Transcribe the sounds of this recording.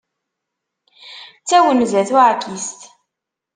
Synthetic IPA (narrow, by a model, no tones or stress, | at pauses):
t͡sːæwənzæθuʕkist̪